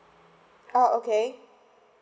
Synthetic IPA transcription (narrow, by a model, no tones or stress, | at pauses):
oʊoʊkʰeɪ